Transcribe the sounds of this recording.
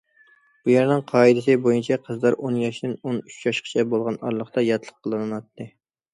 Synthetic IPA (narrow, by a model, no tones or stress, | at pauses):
b̥ujæɾnɪŋqʰɑːid̪ɪsɨbojunt͡ʃʰɛqʰəzlˠɑɾʔonjɑʃd̪ɪnonyt͡ʃjɑʃqʰə̥t͡ʃʰɛbolˠʁɑnɑɾlˠəχt̪ɑjɑt̪ʰlˠəqʰːəlˠɨnɨnwɑt̪ːɨ